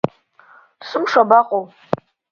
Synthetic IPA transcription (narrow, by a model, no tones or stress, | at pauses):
sɨmʂabaqʼow